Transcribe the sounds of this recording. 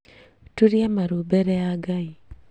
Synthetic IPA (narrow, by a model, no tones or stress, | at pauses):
tuɾjamaɾubɛɾɛaɡai